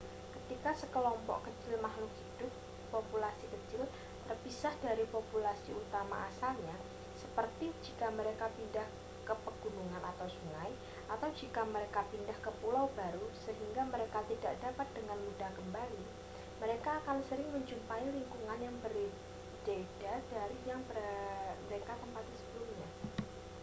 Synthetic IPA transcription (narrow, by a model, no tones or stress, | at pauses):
kət̪ikasəkəlɔmpɔ̰ʔkət͡ʃɪlmahlʊkhid̥ʊp̚ː | opulasikət͡ʃɪl | t̪ərpisahd̥aɾipopulasiut̪ama̰ʔasalɲa | səpərt̪id͡ʒikaməɾekapindah | kəpəɡ̥unuŋanat̪awsuŋaj | ʔat̪awd͡ʒikaməɾekapindahkəpulawbaɾusəɦiŋɡaməɾekat̪idaʔdapat̪̚d̥əŋanmudahkəmbali | məɾekaːkansəɾɪŋməɲd͡ʒumpailiŋkuŋanjaŋbər | d̥ed̥adaɾijaŋbəməɾekat̪əmpat̪isə̥bəlumɲa